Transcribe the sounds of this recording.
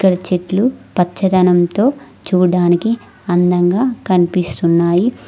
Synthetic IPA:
ikːɐɽɐt͡ʃeʈlupɐtːt͡ʃːɐd̪ɐnɐmt̪o̞ː | t͡ʃuːɽaːniki | ɐnd̪ɐŋɡaːkɐnipist̪unːaːji

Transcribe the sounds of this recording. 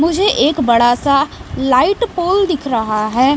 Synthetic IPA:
mʊd͡ʒʱeʔeːkbɐɽasalaːɪʈpoːld̪ɪkʰɾɐɦaɦɛː

